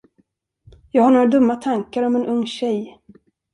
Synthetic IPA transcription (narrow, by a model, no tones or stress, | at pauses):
jɑːɡhaɳoːɾad̪ɵmːat̪ʰaŋkaɾɔmɛnɵŋːɕɛj